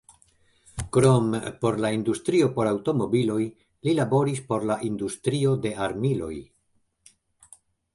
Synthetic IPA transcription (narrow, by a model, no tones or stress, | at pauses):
kɾo̞mpo̞ɾlaindustɾio̞po̞ɾawto̞mo̞bilo̞j | lilabo̞ɾispo̞ɾlaʔindustɾio̞de̞aɾmilo̞̰j